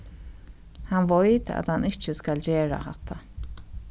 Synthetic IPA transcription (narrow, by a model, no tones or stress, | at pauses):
hanʋɔjt̪a̰t̪hanɪt͡ʃːəskald͡ʑeːɹa̰hat̪ʰːa